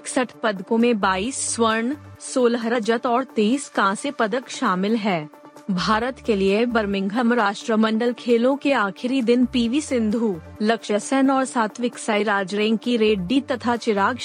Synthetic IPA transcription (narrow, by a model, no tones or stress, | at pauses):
ɪksəʈʰpɐd̪kõmẽbaːiːsːwəɾɳsoːlɦɾəd͡ʒət̪ɔːɾt̪eːskaãsepɐd̪əkʃaːmɪlɦɛː | bʱaːɾət̪keliebɐɾmɪ̃ŋɡʱəmɾaːʃʈɾəmɐ̃ɳɖəlkʰeːlõkeaːxʰɪɾid̪ɪnpiːʋisɪ̃nd̪ʱuː | lɐkʃəsɛnɔːɾsaːt̪ʰʋɪksaːiɾaːd͡ʒɾẽːŋɡkiɾeːɖɖit̪ɐt̪ʰat͡ʃɪɾaːɡ